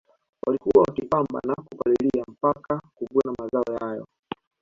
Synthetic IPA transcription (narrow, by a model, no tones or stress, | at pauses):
wʔa̰likuwawakipamba̰nakukaliliam̩pakakuɓuanamazaɔjaajɔ̰